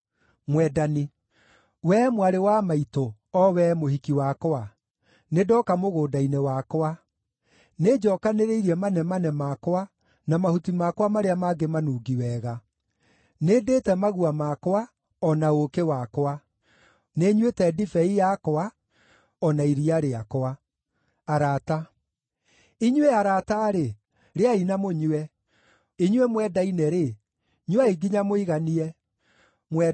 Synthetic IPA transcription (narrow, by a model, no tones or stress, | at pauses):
mwɛdani | wɛmwaɾewamaito | ɔwɛmohikiwakoa | nedɔːkamoɣoːdainewakoa | ned͡ʒɔːkaneɾeiɾiɛmanɛmanɛmakoa | namahutimakwamaɾeamaɡemanuːɡiwɛːɣa | nedeːtɛmaɣuamakwa | ɔnaokewakoa | neɲwetɛdifɛijakɔa | ɔnaiɾiaɾeakɔaː | ɾata | iɲwɛaɾataːɾe | ɾeainamoɲwɛ | iɲwɛmwɛːdainɛɾe | ɲwaiɡiɲamoiɣaniɛ | mwɛ